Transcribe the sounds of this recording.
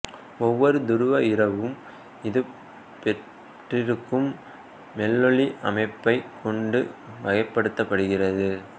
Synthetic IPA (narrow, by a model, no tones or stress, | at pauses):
ɔʋːɔɾɯd̪ʊɾɯʋɐɪɾɐʋɯm | ɪðɯ | pɛʈ | ʈrɪɾɯkːɯmː | ɛlːɔɭiʔɐmɐɪpːɐɪkɔɳɖɯʋɐɣɐɪpːɐɽɯt̪ːɐpːɐɽɯɣɪrɐðɯ